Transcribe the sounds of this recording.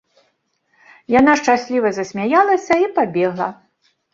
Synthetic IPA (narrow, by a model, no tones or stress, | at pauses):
janaʂt͡ʂasʲlʲivɐzɐsʲmʲajalˠɐsʲɐipabʲɛɣlˠɐ